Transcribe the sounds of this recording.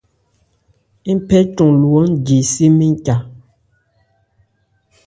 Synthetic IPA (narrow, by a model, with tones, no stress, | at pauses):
pɛ˦tũ˨lwɔ˨˦n˦d͡ʒi˨si˦mi˦ŋ˦ca˨